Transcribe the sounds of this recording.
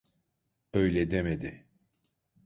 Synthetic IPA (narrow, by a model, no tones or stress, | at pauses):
ø̞jlʲɛd̪emed̪ɪ